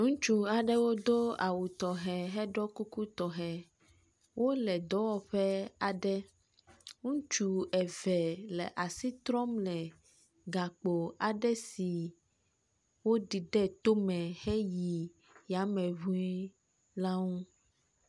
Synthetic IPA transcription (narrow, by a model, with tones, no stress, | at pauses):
ŋũ˦t͡ʃu˨a˨ɖɛ˦wo˦d̪o˦a˨wu˨t̪ɔ˨ɦɛ˨ɦɛ˦ɖɔ˦ku˦ku˦t̪ɔ˨ɦɛ˨ | wʔo˦lɛ˨d̪ɔ˦wɔ˨ɸɛ˦a˨ɖɛ˦ | ŋũ˦t͡ʃu˨ɛ˨vɛ˨lɛ̰˨ʔa˨si˦t̪ɾɔ˦mlɛ˨ | ɡa˨k͡po˨a˨ɖɛ˦si˨ | wo˦ɖi˨ɖɛ˦t̪o˦mɛ̃˨hɛ˦ji˨ | ja˨˦mɛ̃˨βũ˦i˦ | la˦ŋũ˦